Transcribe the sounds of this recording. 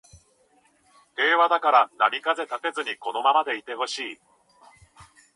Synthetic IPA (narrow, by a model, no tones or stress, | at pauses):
he̞ːβad̪akaɾanamʲikaze̞t̪at̪e̞zɨɲ̟iko̞no̞mamad̪e̞it̪e̞ho̞ɕiː